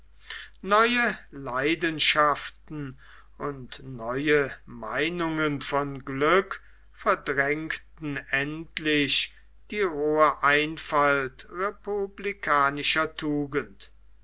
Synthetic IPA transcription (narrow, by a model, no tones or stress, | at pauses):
nɔʏəlaɪdənʃaftn̩ | ʔʊntnɔʏəmaɪnʊŋənfɔnɡlʏk | fɛɐdʁɛŋktn̩ɛntlɪɕ | d̥iːʁoːɐʔaɪnfaltʁepublikʰaːnɪʃɐtʰuːɡənt